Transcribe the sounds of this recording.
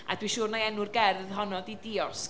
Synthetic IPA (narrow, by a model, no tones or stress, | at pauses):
a̰dwiʃuːrnaɛnʊrɡɛrðɦɔnɔdidiɔrs